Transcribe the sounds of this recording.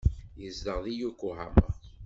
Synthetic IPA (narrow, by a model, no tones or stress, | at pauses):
jəzdəʁðijukːuɦæmə